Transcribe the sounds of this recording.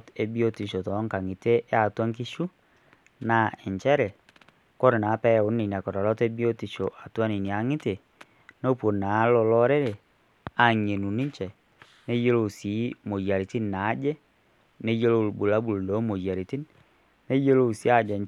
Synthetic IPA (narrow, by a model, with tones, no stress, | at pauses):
te˦bi˦o˦ti˨ʃo˨tɔ˨˦ŋka˨ŋɪ˨te˦ʔa˨twa˦ŋk̬i˦ʃu˦ | na˦ɪ˨ɲt͡ʃɛ˦ɾɛ˨ | kɔ˦ɾe˨na˨˦pɛ˦˨ʊ˨˦nnːi˨ni˨a˨kɔ˨ɾɔ˨lɔ˦te˦bi˦o˦ti˨ʃo˨ʔa˨twa˦ni˨ni˨a˨ŋɪ˦te˨ | no˦pwo˨na˨˦lɔ˧lɔ˦ɾe˦ɾe˨ | a˦˨ɲe˨nu˨nɪ˦ɲt͡ʃɛ˨ | ne˦je˦lo˦˨si˨˦mo˨jja˨ɾi˨ti˦nːa˨˦d͡ʒɛ˦ | ne˦je˦lo˦˨lbu˨la˦bu˨ldɔ˨˦mo˨jja˨ɾi˨ti˦n | ne˦je˦lo˦˨si˦a˦˨d͡ʒɛ˨